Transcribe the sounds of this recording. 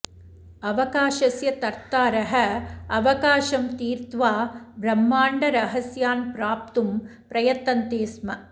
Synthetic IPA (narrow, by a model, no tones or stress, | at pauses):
ɐʋɐkaːʃɐsjɐt̪ɐɾt̪aːɾɐɦɐɐʋɐkaːʃɐmt̪iːɾt̪ʋaːbɾɐmːaːɳɖɐɾɐɦɐsjaːnpɾaːp̚t̪umpɾɐjɐt̪ːɐnt̪eːsmɐ